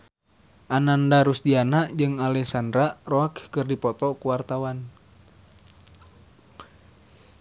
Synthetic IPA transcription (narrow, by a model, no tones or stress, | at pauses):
ʔanandaɾusdianaʔd͡ʒɨŋalɛsandɾaʔrɔakkɨrdipɔt̪ɔkuwart̪awan